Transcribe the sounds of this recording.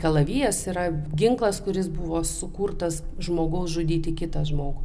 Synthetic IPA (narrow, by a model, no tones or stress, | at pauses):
kɐlˠɐʋʲiːjoːsiːɾɐɡʲɪŋklˠɐskʊɾʲɪsbʊʋoːsʊkuːrt̪ɐsʒmoːɡɐʊsʒʊd̪ʲiːt̪ʲɪkʲɪt̪ɐʒmoːɡʊ